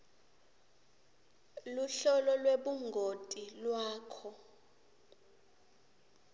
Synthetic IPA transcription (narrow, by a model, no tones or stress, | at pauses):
luɬɔlɔlweɓuŋɡʱotʼilwaːkʰɔ